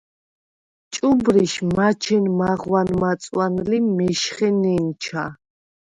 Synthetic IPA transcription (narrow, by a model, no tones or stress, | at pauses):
t͡ʃʼubɾiʃmat͡ʃʰɛnmaʁwanmat̪sʼwanlimɛʃχɛnɛnt͡ʃʰa̰